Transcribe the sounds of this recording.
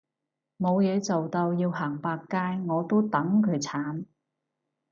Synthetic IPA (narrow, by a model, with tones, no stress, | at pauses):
mo˨˧wjɛː˨˧t͡so˨wt̪o˧wjiː˧wɦaː˨˩ŋpaː˧kːaː˥jŋɔː˨˧t̪o˥wt̪ɐ˨˥ŋkʰɵ˨˧˥t͡sʰaː˨˥n